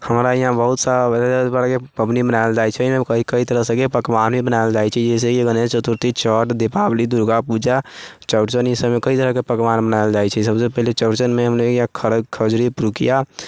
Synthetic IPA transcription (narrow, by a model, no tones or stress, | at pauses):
həmɾaiɦãbəɦut̪sabaɾakepəbnibənajld͡ʒajt͡ʃʰɛmekəikəit̪əɾəɦsəkepəkbanmebənaɪld͡ʒajt͡ʃʰɛd͡ʒɛs̬ekɡənet͡ʃət̪uɾt̪it͡ʃəʈd̪epablid̪uɾɡapud͡ʒa | t͡ʃəʊʈt͡ʃənisəmekəit̪əɾəkepəkbanbənaɪld͡ʒajt͡ʃʰɛsəbsepəɦlet͡ʃəʊʈt͡ʃənmeɦəmneiɦãkʰəɾəkʰəd͡ʒɾipɾukija